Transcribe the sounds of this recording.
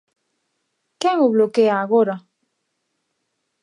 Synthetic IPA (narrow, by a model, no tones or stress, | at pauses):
keŋoβlokeaːɣoɾa